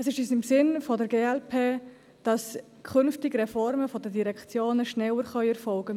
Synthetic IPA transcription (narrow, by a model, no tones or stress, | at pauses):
ɛsɪʃysɪmsɪnfɔdəɾɡeːɛlpʰeː | d̥ɑs | kʰχʏnftɪɡɾɛfɔɾməfɔdədiɾɛkt͡sjoːnəʃnɛwəɾχœʏɛɾfɔlɡə